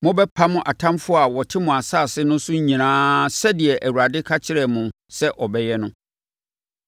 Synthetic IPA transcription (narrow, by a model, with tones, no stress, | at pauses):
mʊ̃˦bɛ˦pʰa˦mʊ̃˦ʔa˨tʰã˦mfʊ˦a˨wɔ˨tʰɪ˦mʊ̃˨a˨saː˦˨sɪ˦nʊ̃˦sʊ̃˦ɲĩ˨nãː˦sɛ˦dɪ˨ɛ˨ʔæ˨wu˨ɾa˨dɪ˦kʰa˦t͡ɕʰɪ˦ɾɛ˨mʊ̃˨ | sɛ˦ʔɔ˨bɛ˦jɛ˦nʊ̃˦